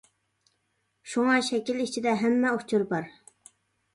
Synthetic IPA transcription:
ʃuŋɑʃɛkʲilit͡ʃʰid̪ɛɦɛmːɛoht͡ʃʰuɾbɑɾ

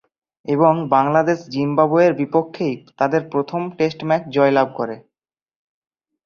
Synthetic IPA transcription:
eboŋbaŋlad̪eʃd͡ʑimbabueɾbipokʰːejt̪ad̪eɾpɾot̪ʰomʈesʈmɛkd͡ʑɔelab̚ʱkoɾe

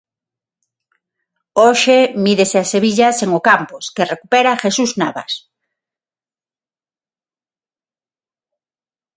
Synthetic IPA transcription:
oʃemiðeseaseβ̞iʎaseŋokamposkerekupeɾaxesuznaβa̰s

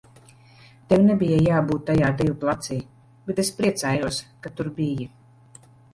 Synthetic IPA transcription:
t̪ewnebijajaːbuːt̪̚ːajaːd̪ivuplˠat̪siː | b̥et̪espɾiɛt̪saːjuɔskat̪uɾbiji

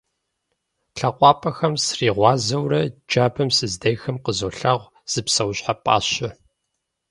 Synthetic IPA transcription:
ɬɐqʷʼɑːpʼɐxɐmsriːʁʷɑːzɐwɾɐd͡ʒaːbʰɐmsɨzdɐjxɐmqəzoːɬaːʁʷ | z̥ɨpsɐwɕħapʼa̰ːɕɪ

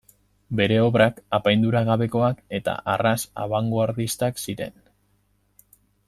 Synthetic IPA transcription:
be̞ɾe̞o̞βɾakapajnd̪uɾaɣaβe̞ko̞ake̞t̪a̰ʔarasa̰βaŋɡoaɾðist̪aksiɾe̞̰n

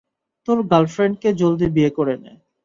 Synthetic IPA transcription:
t̪oɾɡalfɾeɳɖ̚ked͡ʑold̪ibiekoɾenḛ

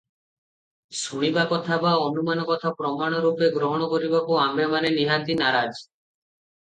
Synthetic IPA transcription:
suɽ̃ibakɔt̪ʰabaɔnumanɔkɔt̪ʰapɾɔmaɽ̃ɔɾupeɡɾɔɦɔɽ̃ɔkɔɾibakuambemaneniɦat̪inaɾad͡ʒ

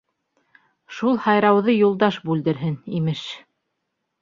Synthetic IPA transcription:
ʃulˠhɑjɾɑwðɤjulˠd̪ɑʃbʉld̪ɘ̆ɾɦɘnimɘʃ

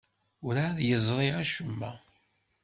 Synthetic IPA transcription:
ʊɾaðjəzˤɾˤiʁæʃəmːæ

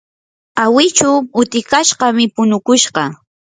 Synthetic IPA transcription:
awɪt͡ʃʊʊt̪ɪkaʃɢɑmɪpʊnʊkʊʃɢɑ

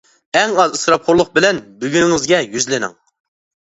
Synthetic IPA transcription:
ɛŋɑzɨsɾɑp̚χʰoɾlˠʊq̚bɪlɛnbyɡʲyŋɪzɡʲɛjyzlɪnɪ̰ŋ

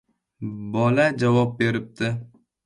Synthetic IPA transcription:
bɒlad͡ʒavɒp̚be̞ɾɪp̚d̪ɪ

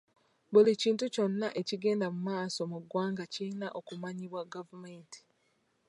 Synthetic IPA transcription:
βuliciːntuco̞nːaʔe̞ciɡe̞ːndamumaːso̞muɡwaːŋɡacinaʔo̞kumaɲiβwaɡavumenti̥

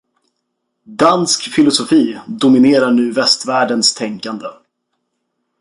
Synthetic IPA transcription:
d̪anskfɪlʊsʊfiːd̪ʊmɪneːɾaɳʉ̟ːvɛst̪væːɖənst̪ʰɛŋkand̪ə

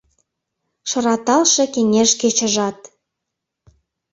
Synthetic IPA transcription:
ʃɤ̆ɾɑt̪ɑlʃĕkeŋeʃket͡ɕə̆ʒɑt̪

